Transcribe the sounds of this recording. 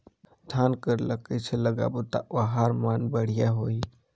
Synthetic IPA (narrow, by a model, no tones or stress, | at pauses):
d̪ʱaːnkəɾləkit͡ʃʰeləɡa̰but̪a̰ʔaɦaɾmaːnbəɽ̤ijaɦoːi